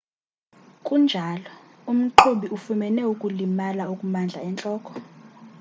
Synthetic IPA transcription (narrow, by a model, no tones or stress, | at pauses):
kʼund͡ʒʱalɔ | um̩ǃʰuɓiufumɛnɛukʼulimalaukʼumand͡ɮʱa̰ɛnt͡ɬʼɔːkʼɔ̥